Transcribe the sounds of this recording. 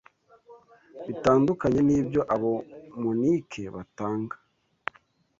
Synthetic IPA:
βitaːndukaɲe̞niːbjo̞ʔaβomunikʰe̞βataːŋɡḁ

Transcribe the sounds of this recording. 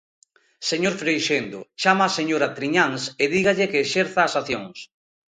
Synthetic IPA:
seɲoɾfɾejʃend̪ot͡ʃamaːseɲoɾat̪ɾiɲaŋseðiɣaʎekeːʃeɾθaːsaθjoŋs

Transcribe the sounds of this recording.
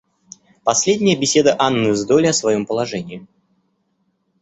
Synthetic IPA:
pɐsʲlʲedʲnʲɪjəbʲɪsʲe̞d̪əʔanːɨzd̪olʲɐsvɐjompəlˠɐʐɛnʲɪɪ

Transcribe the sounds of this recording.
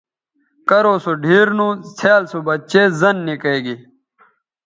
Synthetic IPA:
kɐɾoːsoɖʱiːɾnũt͡sʰaːlsubɐtt͡ɕeːzɐnːikeːɡi

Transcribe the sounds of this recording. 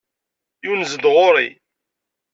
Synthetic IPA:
junzəd̪ʁoɾḭ

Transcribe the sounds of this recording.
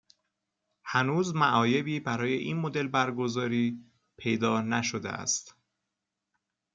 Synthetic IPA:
hænuːzmæʔɒːje̞biːbæɾɒːje̞ʔiːnmo̞d̪e̞lbæɾɡo̞zɒːɾiː | pʰe̞jd̪ɒːnæʃod̪ḛʔæ̰st̪

